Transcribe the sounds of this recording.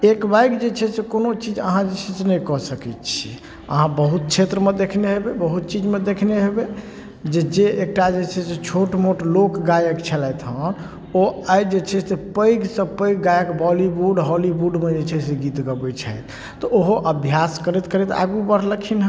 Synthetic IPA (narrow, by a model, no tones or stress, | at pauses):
ekbajkd͡ʒet͡ʃʰɛsekonot͡ʃid͡ʒə̰ɦãd͡ʒet͡ʃʰɛsenɛjkɔsəkɛt̪t͡ʃʰi | ə̰ɦãbəɦut̪̚t͡ʃʰet̪ɾəmed̪ekʰneɦebebəɦut̪̚t͡ʃid͡ʒmed̪ekʰneɦebe | d͡ʒed͡ʒeek̚ʈad͡ʒet͡ʃʰɛset͡ʃʰoʈmoʈlokɡajəkt͡ʃʰɛlat̪ɦən | oajd͡ʒet͡ʃʰɛsepəjɡsə̃pəjɡɡajəkbɔlibuɖɦɔlibuɖmed͡ʒet͡ʃʰɛseɡit̪ɡəbɛt͡ʃʰajt̪ː | ɔoɦoʔəbʱjaskəɾɛt̪kəɾɛt̪a̰ɡubəɾləkʰinɦ